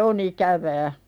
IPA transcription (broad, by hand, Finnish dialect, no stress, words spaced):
on ikæʋæː